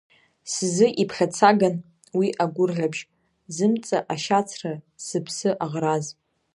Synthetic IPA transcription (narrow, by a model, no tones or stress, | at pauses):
sɨzɨʔipʰχʲat͡sʰaɡan | wiʔaɡʷʊrɮabʒ | zɨmt͡sʼaʔaʃat͡sʰra | sɨpʰsɨʔaʁraz